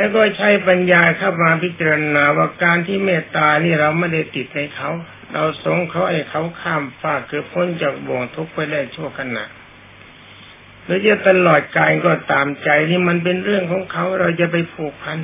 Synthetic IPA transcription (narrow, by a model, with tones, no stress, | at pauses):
lɛː˧wkɔː˧˥˩t͡ɕʰa˦˥jpa˧njaː˧kʰa˧˩p̚maː˧pʰi˦˥t̪̚t͡ɕa˧ɾa˧naː˧waː˧˩kaː˧nt̪ʰiː˧˩mɛː˧˩t̪aː˧niː˧˩ɾa˧wma˧˥˨da˧˩jt̪i˨˩t̪̚na˧jkʰa˧˥˩w | ɾa˧wso˧˥ŋkʰa˨˥wha˧˩jkʰa˨˥wkʰaː˧˩mfaː˧˩kːɤː˨˩p̚kʰo˧˥˨nt͡ɕaː˨˩k̚bɔː˨˩ŋt̪ʰu˧˥k̚pa˧jda˧˩jt̪ʰu˧˥˩əkʰa˧na̰˨˩ʔ | doː˧˥˦jt͡ɕa˧˩t̪a˧lɔː˨˩t̪̚kaː˧nkɔː˧˩t̪aː˨mt͡ɕa˧jniː˧˩˨ma˧˥˨np̬e˧nɾɯ˥˩əŋkʰɔː˨˦ŋkʰa˧˥wɾa˧wt͡ɕa˨˧˨pa˧jpʰuː˨˩k̚pʰa˧˥˨n